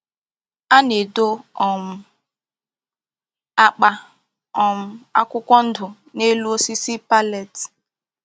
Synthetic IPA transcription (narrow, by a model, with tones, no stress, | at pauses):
a˦ne˨do˦ɔ˨m̩˦ | a˦k͡pa˦ | ɔ˨m̩˦a̰˦kʷʊ˦kʷɔ˦n̩˦dʊ˨ | ne˦lu˦o˦si˦si˦pa˦le˨t